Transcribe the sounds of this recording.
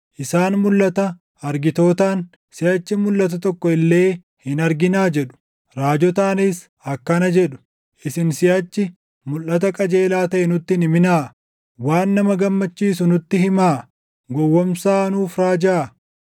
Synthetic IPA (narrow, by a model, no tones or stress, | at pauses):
ʔɪsaːnmʊlːɐt̪ɐ | ɐɾɡɪt̪o̞ːt̪aːn | sɪjɐt͡ʃːɪmʊlːɐt̪ɐt̪ɔkːɔɪlːe̞ː | hɪnɐɾɡɪnaːd͡ʒɛᶑʊ̥ | ɾaːd͡ʒɔt̪aːnis | ɐkːɐnɐd͡ʒɛɗʊ̥ | ʔɪsɪnsɪjɐt͡ʃːɪ | mʊlʔɐt̪ɐkʼɐd͡ʒe̞ːlaːt̪ɐʔɛnʊt̪ːɪnɪmɪnaː | waːnːɐmɐɡɐmːɐt͡ʃːiːsʊnʊt̪ːɪhɪmaː | ɡɔwːɔmsaːnuːfɾaːd͡ʒaː